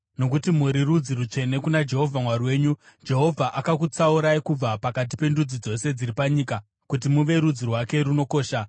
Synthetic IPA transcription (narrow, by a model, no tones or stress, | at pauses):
no̞k̬utimuɾirud͡ziɾut͡ʂe̞ne̞kunad͡ʒe̞ɦo̞vʱamwarwe̞ːɲu | d͡ʒe̞ɦo̞vʱaʔakakut͡sauɾaikub͡vapakat̬i̥pe̞ndud͡zid͡zo̞se̞d͡ziɾipaɲiːka | kut̬imuʋe̞ɾud͡zirwake̞ɾuno̞ko̞ːʃa